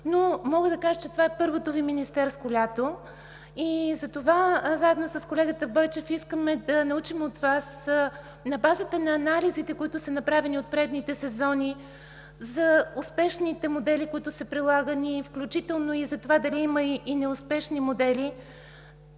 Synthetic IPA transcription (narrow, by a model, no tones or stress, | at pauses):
nomɔɡəd̪ɐkaʒət͡ʃɛt̪ovaɛpɤɾvot̪oviminist̪ɛɾst̪olʲat̪o | izɐt̪ovazaɛd̪nosɐskolɛɡət̪əbɔjt͡ʃɛfiskəmɛd̪ɐnɐut͡ʃimot̪vas | nɐbazət̪ənɐːnalizit̪ɛkoit̪ʊsɐnɐpɾavɛniot̪̚pɾɛd̪nit̪ɛsɛzɔni | zɐʊspɛʃnit̪ɛmod̪ɛlikoit̪ʊsɛpɾilˠaɡənifklʲut͡ʃit̪ɛlˠnoizɐt̪ovad̪ɐliːmɐiːnɛʊspɛʃnimod̪ɛli